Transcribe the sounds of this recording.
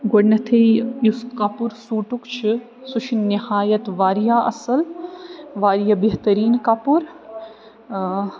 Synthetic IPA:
ɡoɽnɐt̪ʰejjuskapuɾsuːʈukt͡ʃʰi | suʃʰinihaːjɐt̪ʋaːɾijaɐ̰sɐl | ʋaːɾijabeɦt̪ɐɾiːnkapuɾ

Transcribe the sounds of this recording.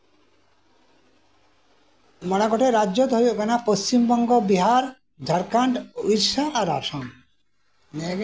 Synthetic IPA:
mɔnaɡoʈʰeɾadʑod̪ʱoɾjokanapost͡ɕimbɔŋɡobiɦaɾ | d͡ʒʱaɾkaɳʈuʃaaɾa̰ʃon | ne

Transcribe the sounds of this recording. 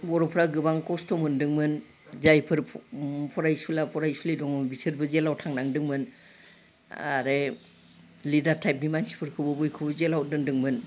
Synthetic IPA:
bɔɾɔpʰɾaɡɯbaŋkɔstɔmɯndɯŋmɯn | zajpʰɯɾʰpʰɔɾajsulapʰɔɾajsulidɔŋɔbisɯɾbɯzelawtʰaŋnaŋdɯŋmɯn | a̰ɾe | lidaɾtʰajp̚nimansi̥pʰɯɾkʰɯbɯbujkʰɯbɯzelawdɯŋdɯŋmɯn

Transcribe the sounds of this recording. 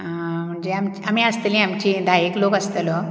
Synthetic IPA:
am̤əɳd͡ʑeamt͡ɕamiəst̪lĩamt͡ɕid̪ʱajeklokəst̪əlɔ

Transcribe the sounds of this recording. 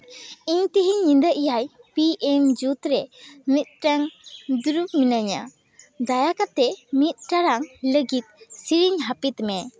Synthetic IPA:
iɲt̪əɦiɲːind̪əʔijajpiʔɛmd͡ʒut̪ɾɛmit̪̚ʈaŋd̪uɾup̚minaɲa̰ | d̪ajakat̪ɛmit̪̚ʈaɾaŋləɡit̪̚siɾiɲɦapit̪mɛ

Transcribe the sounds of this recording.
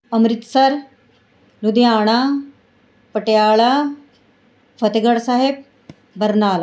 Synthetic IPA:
ɐmɾɪt̪sɐɾ | lud̪jaːɽ̃aː | pəʈjaːɭaː | pʰɐt̪eɡəɽsaːɦeb̚ | bɐɾnaːla

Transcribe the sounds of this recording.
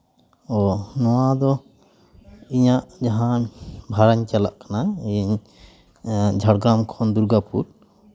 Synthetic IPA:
ɔnɔwad̪ɔ | iɲaʔd͡ʒaɦãbʱaɾaɲt͡ʃala̰ʔkanaiɲ | d͡ʒʱaɽɡamkʰɔnd̪uɾɡapṵɾ

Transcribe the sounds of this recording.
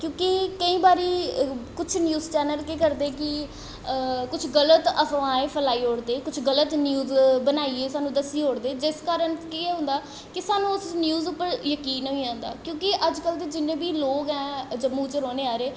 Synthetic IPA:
kjõːkikəĩːbaːɾiːkʊt͡ʃʰnjuːzt͡ʃɛːnəlkeːkəɾd̪eːkɪ | kʊt͡ʃʰɡələt̪əpʰʋãːeːpʰəlaːiːɦoːɽd̪eːkʊt͡ʃʰɡələt̪njuːzbənaːieːsaːnũːd̪əsiːɦoːɽd̪eːd͡ʒɪskaːɾənkieːɦʊ̃nd̪aː | kɪsaːnũːʊsnjuːzʊpːəɾjəkiːnɦoiãːnd̪a̰ːkjõːkɪʔəd͡ʒkəlt̪eːd͡ʒɪnːẽːbiːloːɡɛ̃ːd͡ʒəbũːt͡ʃəɾoːneːaːɾeː

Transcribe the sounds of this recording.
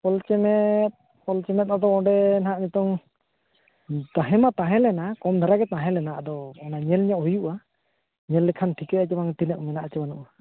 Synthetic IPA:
pɔlt͡ʃɛmɛt̪̚ | pɔlt͡ʃɛmɛt̪̚ad̪ɔɔɖɛnaɦaʔɲɛt̪ɔŋ | t̪aɦɛmat̪ãɦɛ̃lɛnakɔmd̪ʱaɾaɡɛt̪ãɦɛ̃lɛnaʔd̪ɔɛnaɲɛlɲɔʔɦujuʔa | ɲɛlːɛkʰanʈʰikɛat͡ʃɛbaŋʈ̪inəʔmɛnaʔt͡ʃɛbanṵʔa

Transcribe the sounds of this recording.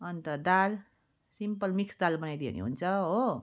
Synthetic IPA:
ʌnt̪ʌd̪al | simpʌlmiksd̪albʌnajd̪iḛnḛɦṵnt͡sʰʌɦo

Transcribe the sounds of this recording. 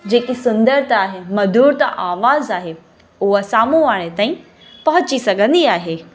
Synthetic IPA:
d͡ʑeːkisʊ̃nd̪əɾt̪aːɦemɐd̪ʱuːɾt̪ɐʔaːʋaːzaːɦe | ʊɦasaːmuʋaːɽ̃et̪aːĩ | pɐɦʊt͡ɕisɐɡʱə̃nd̪iaːɦeː

